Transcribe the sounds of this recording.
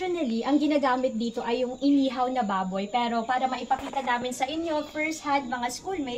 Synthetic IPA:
ʊnɐliʔɐŋɡɪnaːɡaːmɪt̪̚d̪iːt̪o̞ʔɐjːʊŋʔɪniːɦɐwnɐbaːbojpɛːɾo̞paːɾɐmɐʔɪpɐkiːt̪ɐnaːmɪnsɐʔɪɲjofɛɹst̪̚had̪̚mɐŋaskulmɛ

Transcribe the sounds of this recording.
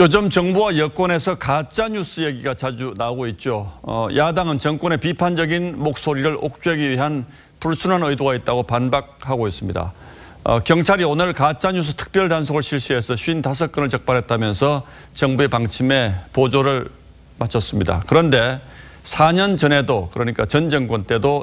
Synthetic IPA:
jod͡ʑɯmt͡ɕʌŋbuwajʌk͈wʌne̞sʰʌkat͡ɕ͈aɲus͈ɯje̞ɡiɡat͡ɕad͡ʑunaɡoit̚t͡ɕ͈o̰jʔadaŋɯnt͡ɕʌŋk͈wʌne̞pipʰand͡ʑʌɡinmok̚s͈oɾiɾɯɭʔok̚t͡ɕ͈uɦaɡiɥiɦan | puɭsʰunɦanɯidoɡait̚t͈aɡopanbak̚haɡois͈ɯmɲida̰ | ʌ̰kjʌŋt͡ɕʰaɾionɯɭkat͡ɕ͈aɲus̬ʰɯ̥tʰɯ̥k̚p͈jʌɭtans̬ʰoɡɯɭɕʰiɭɕ͈iɦe̞sʰʌɕʰuintas̬ʰʌk͈ɯnɯɭt͡ɕʌk̚p͈aɾɦe̞t̚t͈amjʌnsʰʌ | t͡ɕʌŋbue̞paŋt͡ɕʰime̞pod͡ʑoɾɯɭ | mat͡ɕʰʌs͈ɯmɲida̰kɯɾʌnde̞ | sʰaɲʌnt͡ɕʌne̞dokɯɾʌɲik͈at͡ɕʌnd͡ʑʌŋk͈wʌnt͈e̞do

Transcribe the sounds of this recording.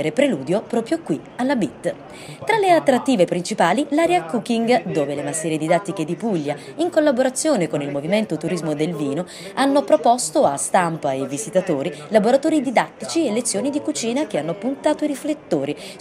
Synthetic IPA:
ɾepɾeluːd̪jopɾɔːpɾjokwi | alːabit̪ː | t̪ɾaleat̪ːɾat̪ːiːvepɾint͡ʃipaːlilaːɾeakːukiŋɡd̪oːvelemasɛːɾed̪id̪at̪ːiked̪ipuʎːa | iŋkolːaboɾat̪sːjoːnekonilmoviment̪ot̪uɾizmod̪elviːno | anːopɾopɔst̪oast̪ampaevːizit̪at̪oːɾilaboɾat̪oːɾid̪id̪at̪ːit͡ʃielːet̪sːjoːnid̪ikut͡ʃiːnak̟eanːopunt̪aːt̪oiɾiflet̪ːoːɾi

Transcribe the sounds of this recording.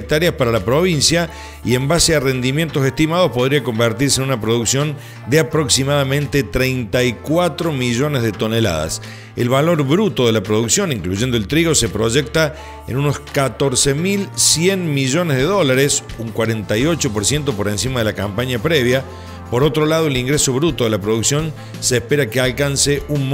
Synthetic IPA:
k̚t̪aɾjaspaɾalapɾo̞β̞insja | ḭe̞mbaseare̞nd̪imje̞nt̪o̞sest̪imað̞ospo̞ðɾiako̞mbeɾt̪iɾs̬enunapɾoðuksjo̞n | d̪eapɾo̞ksimaðamẽ̞nt̪et̪ɾejnt̪ajkwat̪ɾo̞miʒo̞nezðet̪o̞nela̰ða̰s | ḛlβalo̞ɾβɾut̪o̞ðe̞lapɾo̞ðuksjo̞niŋkluʒe̞nd̪o̞elt̪ɾiɣo̞se̞pɾo̞ʒek̚t̪a | ḛnuno̞skat̪o̞ɾsemilsjenmiʒo̞nezð̞eðo̞laɾesuŋkwaɾent̪ajo̞t͡ʃo̞poɾsje̞nt̪̬o̞po̞ɾensimað̞elakampaɲapɾeβja | po̞ɾo̞t̪ɾo̞lað̞oeliŋɡɾeso̞βɾut̪o̞ðelapɾo̞ðuksjo̞n | seːspeɾakealkanseʔun

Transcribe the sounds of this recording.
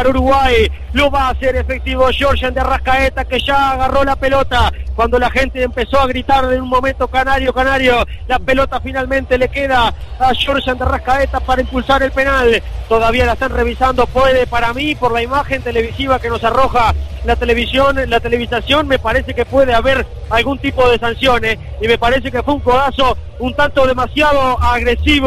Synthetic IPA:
aɾuɾuɣwaj | lo̞βaːseɾefek̚t̪iβoʃoɾʃand̪earahkaet̪akeʒaːɣarolape̞lo̞t̪akwand̪o̞laxe̞nt̪eːmpe̞so̞aɣɾit̪aɾðenunmo̞mẽnt̪o̞kanaɾjo̞kanaɾjo̞lape̞lo̞t̪afinalmẽ̞nt̪e̞le̞keð̞aːʃoɾʃand̪earahkaet̪apaɾaimpulsaɾe̞lpe̞nalt̪oðaβialaest̪anre̞βisand̪o̞pweðepaɾamipoɾlaimaxe̞nt̪e̞le̞βisiβ̞akeno̞saro̞xalat̪eleβisjonlat̪e̞le̞β̞isasjo̞nme̞paɾese̞ke̞pwe̞ðeaβeɾ | alɣunt̪ipo̞ð̞e̞sansjo̞nesime̞paɾe̞s̬e̞kefweuŋkoðaso̞ | unt̪ant̪o̞ð̞e̞masjaðoaɣɾesiβ

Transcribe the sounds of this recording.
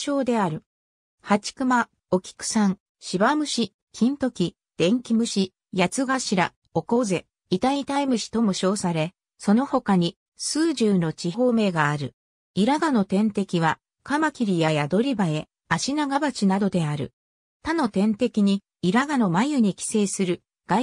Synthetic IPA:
ɕo̞ːd̪e̞aɾɯ̟ | hat͡ɕi̥kɯ̟ma | o̞kʲi̥kɯ̟̥sãŋ | ɕibamɯ̟ɕi | kʲʰĩnt̪o̞kʲi | d̪̥ẽ̞ŋkʲimɯ̟ɕi | jat͡sɨɡaɕiɾa | o̞ko̞ze̞ | it̪ait̪aimɯ̟ɕi̥t̪o̞moɕo̞ːsaɾe̞ | so̞no̞ho̞kaɲ̟i | sɨːʑɨːno̞t͡ɕiɦo̞ːme̞ɡaːɾɯ̟ | iɾaɡano̞t̪ẽ̞nt̪e̞kʲiβa | kamakʲiɾʲijajad̪o̞ɾʲibae̞ | aɕinaɡabat͡ɕinad̪o̞d̪e̞aɾɯ̟̰ | t̪ano̞t̪ẽ̞nt̪e̞kʲiɲ̟iː | ɾaɡano̞majɯ̟ɲ̟ikʲi̥se̞ːsɨɾɯ̟ | ɡ̥a

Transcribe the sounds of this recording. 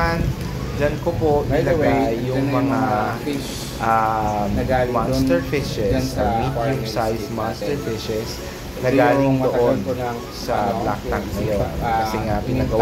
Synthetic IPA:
an | d͡ʒankopoʔnɪlɐɡajjːʊŋmɐŋa | ʔamɡmanst̪ɛɹfɪʃɛsʔomikʊmsajsmanst̪ɛɹfɪʃɛs | nɐɡaːloŋd̪oʔon | sɐbla̰k̪̚aŋnɐjokɐsɛŋapɪnɐɡɐw

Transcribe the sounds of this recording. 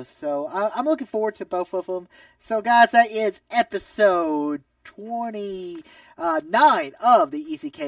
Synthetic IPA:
soʊʌãɪ̃mlʊkɪ̃ŋfɔɹwə˞d̚tʰɨboʊθoʊfə̃m | soʊɡaɪzæɾɪzɛpɨsoʊd̚tʰw̥ɛ̃ɾ̃i | ʌnãɪ̃nʌvðiisikʰe

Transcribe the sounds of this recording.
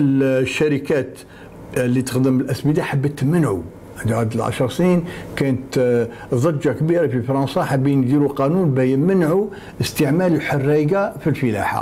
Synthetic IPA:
əlʃːæɾəkæt̪ | lːit̪ə̥xd̪əməlʔæsmid̪aħabːət̪mənʕṵ | ʕənd̪ʕad̪əlʕa̰ʃɾˤsninkænət̪ | ðˤɑd͡ʒakbiɾafifɾˤɑnsˤɑħabinɡ̪iɾuqɑnunbæjənmənʕu | əst̪əʕmæləlħorːiɡafilfəla̰ħa̰

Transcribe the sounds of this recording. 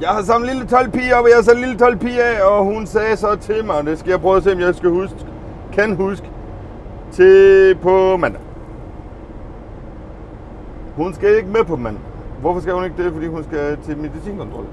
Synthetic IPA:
jɑ̈ɪhɑ̈s̬ɑ̈mn̩lilət͡sʰɒlpʰiːɒbɒjasæ̥lilət͡sʰɒlpʰiːɛɒɦunsɛːsɒ̽t͡sʰe̝lmɑ̈ɪɒd̥e̝sɡ̥æjɑ̈ɪpʰʁœːðˠɐse̝̰ːɒmjɑɪsɡ̥æhusɡ̥ | kʰænɦusɡ̥ə | t͡sʰe̝pʰɒ̽mæn̰ | hunsɡ̥æe̝ɡ̥əmepʰɒ̽mæn̰ʋɔfɒsɡ̥æhune̝ɡ̥̚d̥efɒ̽d̥ḭːhunsɡ̥æt͡sʰe̝meðisḭːnkʰɔ̽nt͡sʰʁɒ̽l

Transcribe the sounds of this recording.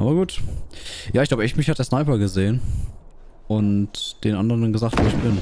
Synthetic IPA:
ʔa̰ːbɐɡuːt | jaːɪçklaʊbəɛçmɪçhatd̥eːɐsnaɪpɐɡəzeːən | ʔʊntd̥eːnʔandəʁəndanɡəzaːktv̥oːɪçb̥ɪn

